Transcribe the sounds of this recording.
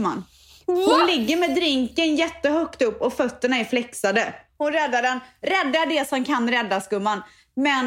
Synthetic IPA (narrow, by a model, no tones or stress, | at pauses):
ma̰n | hʊnlɪɡːəɾmɛːd̪ɾɪŋkənjɛt̪ːəɦœkt̪ɵpːɔfœt̪ːəɳaæɾflɛksad̪əhʊnɾɛd̪ːaɖɛnɾɛd̪ːad̪ɛsɔmkʰanɾɛd̪ːaskɵmːan | mɛn